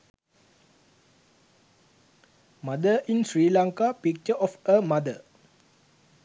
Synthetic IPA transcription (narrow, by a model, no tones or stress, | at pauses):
madəʔĩnsɹiːlãŋkapik̚t͡ʃəʔɔfəmad̪ə